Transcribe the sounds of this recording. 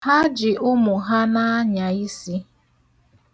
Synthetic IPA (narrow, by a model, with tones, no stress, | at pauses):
ha˦d͡ʒɪ˨ʔʊ˦mʊ˨ɦa˦na˦a˦ɲa˨i˦si˦